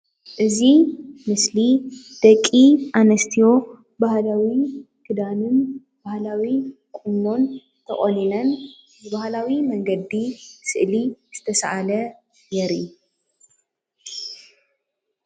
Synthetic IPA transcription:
ʔɨzimɨslid̪̥ɐkʼːiʔanɐst̪ʰijo̞ | bahlawi | kʰɨd̪anɨn | bahlawi | kʼunːo̞n | t̪ʰɐχʼoninɐn | bɨbahlawimɐŋɡɐd̪ːisɨʔliz̥ɨt̪ʰɐsʔalɐ | jɛɾḭ

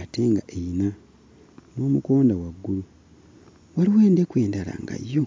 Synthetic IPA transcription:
ate̞ːŋɡaʔeina | no̞ːmuko̞ːndawaɡːulu | waliwe̞ːnde̞kwe̞ːndala̰ŋɡa̰jːo

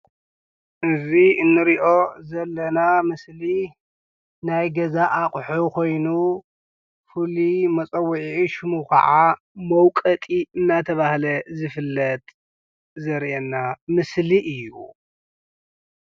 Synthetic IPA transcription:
ʔɨziɨnːɨɾiʔo̞zɐlːɐnamɨsli | najɡɐzaʔakʼħukʰo̞jnu | fɨlimɐt͡sʼɐwːʊʕiiʃɨmukʰɐ̰ʕa | mɐwkʼɐt̪ʼiɨnːat̪ʰɐβahlɐzɨfɨlːɐt̪ʼ | zɐɾiʔɛnːamɨsliʔɨjːu

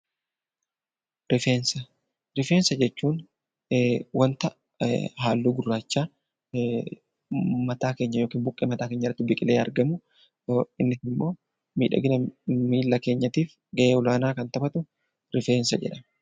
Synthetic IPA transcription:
ɾɪfeːnsɐ | ɾɪfe̞ːnsɐd͡ʒɛt͡ʃːuːn | wɐnt̪ɐ | ɦaːlːuːɡʊrːaːt͡ʃːaː | mɐt̪aːke̞ːɲːɐjo̞ːkiːmbʊkʼːeːmɐt̪aːkeːɲːɐrɐt̪ːɪbɪkʼɪleːɐ̰ɾɡɐmʊ | ɪnːɪsɪmːo̞ː | mḭːᶑɐ̰ɡɪnɐmiːlːɐke̞ːɲːɐt̪iːf | ɡɐʔeːʊlaːnaːkɐnt̪ɐbɐt̪ʊ | ɾɪfeːnsɐd͡ʒɛ̰ᶑɐ

